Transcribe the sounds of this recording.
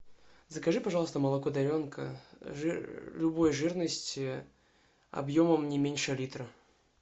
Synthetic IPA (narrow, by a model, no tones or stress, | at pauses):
zəkɐʐɨpɐʐɑlˠst̪əməlˠɐkod̪ɐɾʲonkə̰ | lʲubojʐɨrnəsʲtʲ | ɐ̰bjoməmnʲɪmʲenʲʂəlʲit̪ɾə